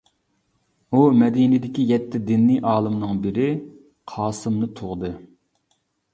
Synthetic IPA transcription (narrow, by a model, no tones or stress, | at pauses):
umɛd̪inɪd̪ɪkʲijɛt̪ʰːɪd̪ɪnːiʔɑːlˠɨmnɨŋbɪɾɪ | qʰɑːsɨmnɨt̪ʰʊʁd̪ɨ